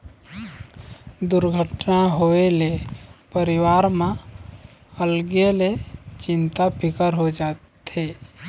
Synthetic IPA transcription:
d̪ʊɾɡʱəʈnaɦoelepəɾɪwaːɾmã | əlɡelet͡ʃɪ̃nt̪apʰɪkəɾɦod͡ʒaːt̪ | e

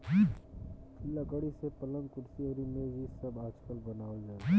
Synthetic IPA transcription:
lːəɡəɽisepələ̃ŋɡ̪kʊɾsiəɾimeːd͡ʒisəbaːd͡ʒkəlbənaːwəld͡ʒaː

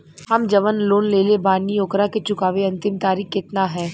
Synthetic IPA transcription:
hɐmd͡ʒɐʋənloːnleːlebaːnioːkɾaket͡ʃʊkaːʋeɐ̃nt̪ɪmt̪aːɾiːxkɪt̪naɦɛː

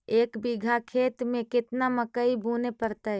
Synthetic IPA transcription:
eːkbiɡʱakʰeːt̪mẽkɪt̪naməkəibʱunepəɾt̪əɦ

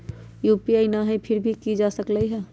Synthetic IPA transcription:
jupiəɪnaɦɛpʰɪɾbʱikid͡ʒasəkləiɦɛ

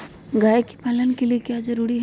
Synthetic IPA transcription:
ɡaːeki̥paːlənkeliekjaːzɐɾuːɾiɦ

